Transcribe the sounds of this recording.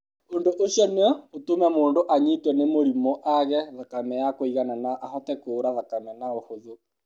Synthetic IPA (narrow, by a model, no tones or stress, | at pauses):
ondoʔosjɔneɔotomɛmoːndoʔaɲitwɛnemoɾimɔʔaɣɛðakamɛjakoiɣananaʔːhɔtɛkoɾaðakamɛnaohoðo